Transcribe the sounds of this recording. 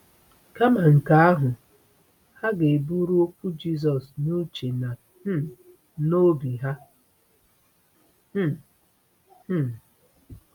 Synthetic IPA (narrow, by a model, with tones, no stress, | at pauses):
ka˦ma˨ŋ̩˨ka˨a˦ɦʊ˨ | ha˦ɡe˨bu˦ɾu˦o˦kʷu˦d͡ʒi˦s̬ɔ˨snu˦t͡ʃe˨na˨˦ | no˦bi˨ɦa˦˨